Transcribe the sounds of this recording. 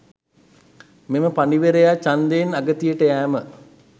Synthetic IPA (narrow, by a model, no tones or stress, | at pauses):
meməpaniʋeɾejat͡ʃand̪enaɡət̪ijəʈəæːmə